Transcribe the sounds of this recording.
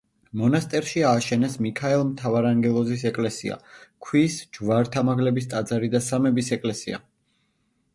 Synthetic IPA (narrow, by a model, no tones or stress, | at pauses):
mɔnast̪ʼɛɾʃiaːʃɛnɛsmikʰaɛlˠmt̪ʰavaɾaŋɡɛlˠɔzis̬ɛkʼlɛsia̰kʰwisd͡ʒvaɾt̪ʰamaɡlɛbist̪ʼad̪zaɾid̪asamɛbisɛkʼlɛsia̰